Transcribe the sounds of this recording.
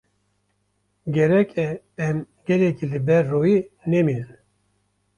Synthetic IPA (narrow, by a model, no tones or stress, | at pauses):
ɡʲɛɾɛkʰɛ | ɛm | ɡɛlɛkʰiːlɨbɛɾːoːjiːnɛmiːnɨn